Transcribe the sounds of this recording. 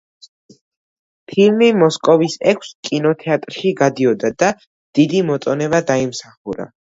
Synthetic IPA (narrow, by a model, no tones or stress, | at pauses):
pʰilmimɔskʼɔvisɛkʰʷskʼinɔt̪ʰɛat̪ʼɾʃiɡad̪iɔd̪ad̪a | d̪̥id̪imɔt̪sʼɔnɛbad̪aimsaχuɾa̰